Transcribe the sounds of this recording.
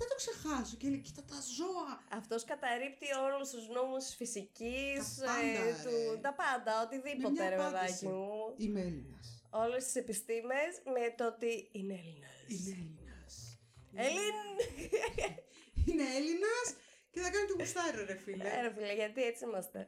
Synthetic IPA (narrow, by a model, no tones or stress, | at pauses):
θɐt̪oksexɐsoceileci̥t̪ɐt̪ɐzoɐɐft̪o̞skɐt̪ɐɾipt̪io̞lulust̪uzno̞musfisicist̪ut̪ɐpɐnd̪ɐo̞t̪iðipo̞eɾeveðɐcimuineelinɐso̞le̞st̪i̥sepist̪imesmet̪o̞t̪iineelinɐslinɐs | elin | ineelinɐs | ceθɐkɐnit̪omist̪ɐɾeɾefileɾefileʝɐt̪iet͡siimɐst̪e̞̰